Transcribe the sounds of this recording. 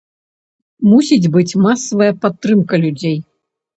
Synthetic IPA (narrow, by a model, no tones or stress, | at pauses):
musʲid͡zʲbɨt͡sʲmasːɐvɐjɐpat̪ːɾɨmkɐlʲud͡zʲej